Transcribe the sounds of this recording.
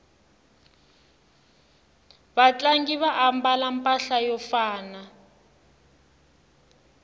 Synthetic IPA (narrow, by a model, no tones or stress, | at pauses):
βat͡ɬaŋɡiβaʔambalampʼaɬajɔfaːna